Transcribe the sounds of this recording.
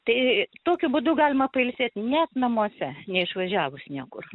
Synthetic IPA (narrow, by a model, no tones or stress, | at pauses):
t̪ɐɪt̪oːkʲʊbʊd̪ʊɡɑːlʲɪmɐpɐɪlʲsʲeːt̪nʲɛt̪nɐmuɔsʲɛnʲɛɪʃʋɐʒʲæːʋʊsnʲiɛkʊr